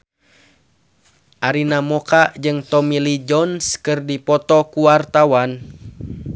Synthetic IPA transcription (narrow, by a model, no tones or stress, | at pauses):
ʔaɾinamɔkaʔd͡ʒɨŋt̪ɔmilid͡ʒɔnskɨrdipɔt̪ɔkuwart̪awan